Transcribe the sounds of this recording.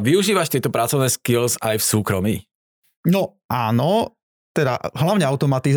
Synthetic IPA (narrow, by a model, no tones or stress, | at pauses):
ʋiuʒiːʋaʃt̪ɪɛt̪ɔpɾat͡sɔʊnɛːskilzajfsuːkɾɔmḭː | nɔʔaːnɔ | t̪ɛd̪a̰ɦlaʊɲɛaʊt̪ɔmat̪iz